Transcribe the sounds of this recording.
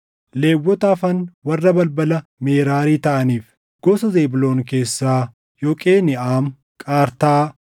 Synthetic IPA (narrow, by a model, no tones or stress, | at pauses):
leːwːɔt̪aːfɐnwɐrːɐbɐlbɐlɐmeːɾaːɾiːt̪ɐʔɐniːf | ɡ̥ɔsɐzeːbɪlo̞ːnke̞ːsːaː | jɔːkʼe̞ːnɪaːm | kʼaːɾt̪aː